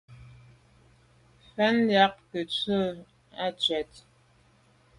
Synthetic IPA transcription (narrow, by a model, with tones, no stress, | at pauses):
fɛ˨˦nda˦k̚kə˨t͡sə˦˨ | a˦˨t͡ʃɥɛ˨t̚